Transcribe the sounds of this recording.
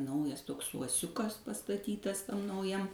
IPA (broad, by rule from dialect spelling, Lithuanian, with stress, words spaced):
ˈnɐʊjɛs ˈtoːks uɔˈsʲʊkɐs pɐstɐˈtʲiːtɐs ˈtɐm nɐʊˈjɛm